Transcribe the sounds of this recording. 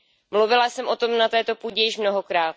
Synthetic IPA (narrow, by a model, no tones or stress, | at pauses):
mluvɪlasɛmʔo̞t̪o̞mnat̪ɛːt̪o̞puːɟɛjɪʃmno̞ɦo̞kɾaːt̪̚